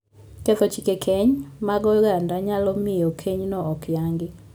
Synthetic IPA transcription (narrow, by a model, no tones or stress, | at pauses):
kɛtɔt͡ʃikekʰeɲmaɡɔɣandaɲalɔmiokʰeɲnɔɔkjaŋɡe